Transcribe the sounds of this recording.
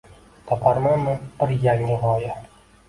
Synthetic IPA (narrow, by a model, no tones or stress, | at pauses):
t̪ʰɒpʰaɾmanmɪb̥ɪɾjaŋːɪʁɒja